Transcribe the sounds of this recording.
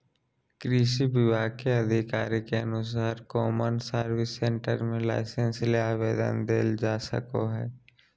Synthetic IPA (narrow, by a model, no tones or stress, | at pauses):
kɾiːʃibɪʋaːkeɐd̪ʱɪkaːɾikeɐnʊs̬aːɾkɔːmənsəɾʋɪsːẽɳʈə̰ɾmẽla̰ɪsə̃nsleaːʋeːd̪ə̰nd̪eːld͡ʒaːsə̰koɦɛ̰ː